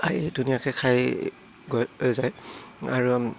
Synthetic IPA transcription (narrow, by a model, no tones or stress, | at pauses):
aidunijakɛkʰaj | ɡojojzaja̰ɹu